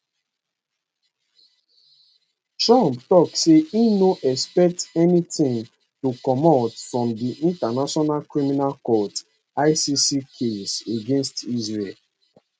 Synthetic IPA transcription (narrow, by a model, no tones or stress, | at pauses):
tɹãmptɔkseinoʔɛspɛk̚tɛnitĩŋ | tukɔmotfɹɔ̃mdiʔĩntanaʃɔnalkɹiminalkɔt | aɪsisikʰeseɡẽnstizɹel